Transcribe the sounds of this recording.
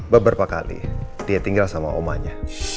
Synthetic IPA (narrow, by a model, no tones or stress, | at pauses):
babəɾapaka̰lḭd̥iat̪iŋɡalsama̰ʔomaɲa